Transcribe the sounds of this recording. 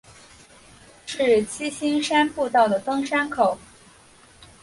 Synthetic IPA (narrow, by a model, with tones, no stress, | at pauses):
ʂɻ̩˥˩t͡ɕi˥ɕi˥ŋʂa˥npu˥˧t̪ɑ˥˩ʊd̪ə˩t̪ɤ˥ŋʂa˥nkʰo˨˩˦ʊ